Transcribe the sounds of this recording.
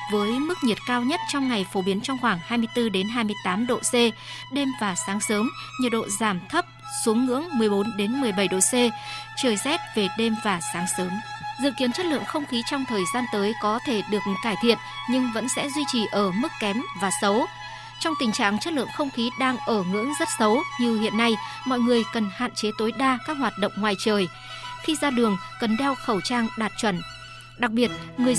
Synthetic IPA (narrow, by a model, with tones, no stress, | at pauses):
vəː˨˦jmɨ˦˥k̚ɲi˨˩ət̚kaː˧wɲə˦˥t̚t͡ɕɔ˧wŋ͡mŋa˨˩jfo˨˦ɓi˨˦ənt͡ɕɔ˧wŋ͡mxwaː˧˩ŋhaː˧jmɨ˧əjt̪ɨ˧ɗe˨˦nɦaː˧jmɨ˧əjt̪aː˨˦mɗo̰˧˨se˧ | ɗe˧mvaː˨˩saː˨˦ŋsəː˨˦mɲə˨˩t̚ɗo̰˧˨zaː˧˩mt̪ʰə˦˥p̚ | su˨˦əŋːɨ̰˧˥əŋmɨ˨˩əjɓo˨˦nɗe˨˦nmɨ˨˩əjɓə˧˩jɗo̰˧˨se˧t͡ɕəː˧˩jsɛ˦˥t̚ve˨˩ɗe˧mvaː˨˩saː˨˦ŋsəː˨˦m | zɨ̰˧˨ki˨˦ənt͡ɕə˦˥t̚lɨ̰˧˨əŋxə˧wŋ͡mxi˨˦t͡ɕɔ˧wŋ͡mt̪ʰəː˨˩jzaː˧nt̪əː˨˦jkɔ˨˦t̪ʰe˧˩ɗɨ˨˩ək̚kaː˧˩jt̪ʰḭ˧˨ənɲɨ˧ŋvə̰˧˥nsɛ̰˧˥zwi˧t͡ɕi˨˩ʔəː˧˩mɨ˦˥kːɛ˨˦mvaː˨˩sə˨˦w | t͡ɕɔ˧wŋ͡mt̪ï˨˩ŋ̟t͡ɕa̰ː˧˨ŋt͡ɕə˦˥t̚lɨ̰˧˨əŋxə˧wŋ͡mxi˨˦ɗaː˧ŋʔəː˧˩ŋɨ̰˧˥əŋzə˦˥t̚sə˨˦wɲi˨˧˩əhḭ˧˨ənːa˧j | mɔ̰˧˨jŋɨ˨˩əjkə˨˩nha̰ː˧˨nt͡ɕe˨˦t̪o˨˦jɗaː˧kaː˦˥k̚ɦwaː˨˩t̚ɗə̰˧˨wŋ͡mŋwaː˨˩jt͡ɕəː˨˩j | xi˧zaː˧ɗɨ˨˩əŋkə˨˩nɗɛ˧wxə˧˩wt͡ɕaː˧ŋɗaː˨˩t̚t͡ɕwə˧˩n | ɗa˨˩k̚ɓi˨˩ət̚ŋɨ˨˩əj